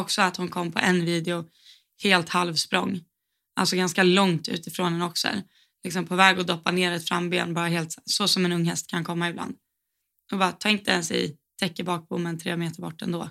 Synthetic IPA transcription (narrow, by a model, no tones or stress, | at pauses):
ɔksɔat̪hʊnkʰɔmːpʰɔ̰ʔɛnviːd̪ɛʊ | heːlt̪halvspɾɔŋː | a̰ltsɔɡanskalɔŋt̪ʉ̟̰ːt̪ɪfɾoːnɛnɔksɔɛ̰ɾ | lɪksɔmpʰɔːvɛːɡɔd̪ɔpːaneːɾɛt̪fɾamːbḛːnbɑːɾaɦheːlt̪ssɔsɔmɛnɵŋːhɛst̪̚kʰankʰɔmːaɪbla̰nd̪ | ɔbɑːɾt̪ʰɑːɪnt̪əɛnsɛ̰ | t̪ʰɛkːəbɑːk̚buːmːɛnt̪ʰɾḛːmeːt̪əɾbɔ̰ʈːɛ̰nd̪oː